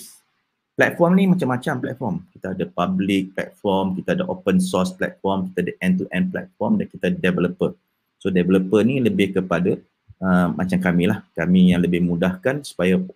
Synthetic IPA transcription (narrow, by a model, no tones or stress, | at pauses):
plɛt̪̚fɔrmnimat͡ʃamːat͡ʃamplɛ̰t̪̚fɔmkit̪aːdapablɪk̚plɛ̰t̪̚fɔrmkit̪aːdaʔopənsɔsplɛ̰t̪̚fɔrmki̥t̪aadaʔɛ̃nt̪uʔɛ̃nplɛ̰t̪̚fɔmdankit̪adɛvələpər | sodɛvləpəniləbɪhkəpada | əmːʔa̰t͡ʃamkamilahkamijaŋləbɪhmudahkansu̥paja